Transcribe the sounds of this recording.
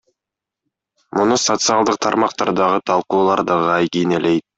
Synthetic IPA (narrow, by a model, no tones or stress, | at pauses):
munusot̪sɨɑlˠd̪ɯq̚t̪ʰɑɾmɑqt̪ɑɾd̪ɑʁɯt̪ʰɑlˠquːlˠɑɾd̪ɑʁɯɑjɡinele̞jt̪̚